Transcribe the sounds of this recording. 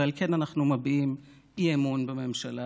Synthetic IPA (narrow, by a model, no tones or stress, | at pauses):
alke̞nanaχnumabiim | iemunbeme̞mʃala